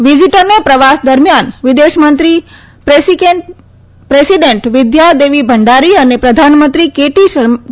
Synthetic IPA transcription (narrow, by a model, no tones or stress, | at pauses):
ʋid͡ʒiʈəɾnepɾəʋasd̪əɾmjanʋɪd̪eʃmənt̪ɾi | peke | pɾesiɖeɳʈʋɪd̪jad̪eʋibʱəɳɖaɾiənepɾəd̪ʱanmənt̪ɾikeʈiʃə